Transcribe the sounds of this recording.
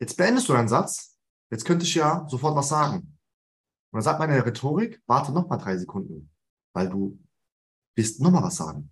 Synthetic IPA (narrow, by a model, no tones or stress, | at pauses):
jɛt͡st̚b̥əʔɛndəsd̥uːdaɪnənzat͡s | jɛt͡stkʰœntəɪçjaːzofɔɐtv̥as̬z̥aːɡŋ̩ | ʔʊntdanzaːk̚tmanɪndɛʁetʰoːʁɪkv̥aɐtʰətnɔχmaːldʁaɪzekʰʊndn̩ | vaɪlduː | vɪɐstnɔχmaːlvasz̥a̰ːɡŋ̩